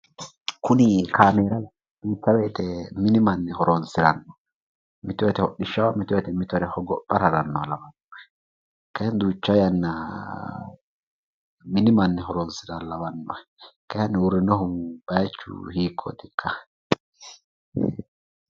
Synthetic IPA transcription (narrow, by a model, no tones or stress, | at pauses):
kʰʊnɪkʰaːmeːɾɐ | d̪̥uːt͡ʃːɐweːt̪ɛmɪnɪmɐnːɛɦɔɾonsɪɾɐnːɔ | mɪt̪ɔjɛt̪ɛhɔɗɪʃːɐwmɪt̪ɔɛt̪ɛmɪt̪ɔɾɛhɔɡɔpʼːɐɾɐɾɐnːɔlɐwɐnːɔ | kɐjnd̪uːt͡ʃːɐjɐnːɐ | mɪnɪmɐnːɛɦɔɾɔnsɪɾɐlɐβɐnːɔ̰kɐhɐnːɪʊɾːɪnɔɦʊmb̥ɐjt͡ʃːʊ̰hiːkʰːɔ̰t̪ɪkʰːɐ